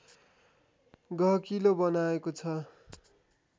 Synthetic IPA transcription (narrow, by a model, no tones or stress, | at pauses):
ɡʌɦkilobʌnaekot͡sʰʌ